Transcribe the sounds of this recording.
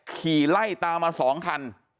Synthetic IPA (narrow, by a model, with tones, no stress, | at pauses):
kʰiː˨˩la˥˩jt̪aː˧mːaː˧sɔː˩˦ŋkʰa˧n